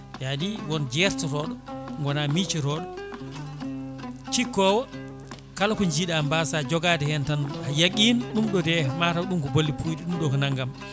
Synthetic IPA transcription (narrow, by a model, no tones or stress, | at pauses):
jadiwɔnd͡ʒɛɾtɔɾɔɗɔŋɡɔnamit͡ʃiɾɔɗɔ | t͡ʃikɔwɔ | kalakɔɲd͡ʒiɗambasad͡ʒɔɡadɛhɛntanhajaɡinɗumɗɔdɛmatawɗumkɔbolːipʰujɗiɗumɗɔkɔnaŋɡam